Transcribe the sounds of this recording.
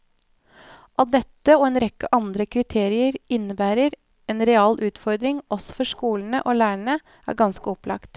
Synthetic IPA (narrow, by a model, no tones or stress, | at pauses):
ʔɑld̪ɛt̪ːəoːeːnɾɛkːəʔɑnd̪ɾəkʰɾɪt̪ʰeːɾɪəɾɪnːəbæːɾəɾ | eːnɾɛɑːlʔʉːt̪fɔɾd̪ɾɪŋɔsɔ̥fɔʂkuːln̩əʔoːlæːəɳə | ʔæ̰ːɾɡɑnskəɔplɑ̰kt̪